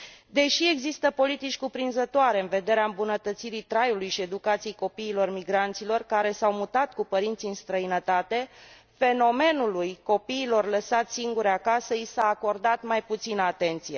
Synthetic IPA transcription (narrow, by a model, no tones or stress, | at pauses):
d̪e̞ʃie̞ɡzist̪əpo̞lit̪it͡ʃʲkupɾinzət̪oaɾe̞ɨnve̞d̪e̞ɾeaɨmbunət̪ət̪siɾit̪ɾajulujʃie̞d̪ukat̪sijejko̞piːlo̞rmiɡɾant̪silo̞rkaɾe̞sawmut̪at̪kupəɾint̪siɨnst̪ɾəinət̪at̪e̞ | fe̞no̞me̞nulujko̞piːlo̞rləsat̪siŋɡuɾeakasəisaːko̞rd̪at̪majput̪sinəat̪e̞nt̪sije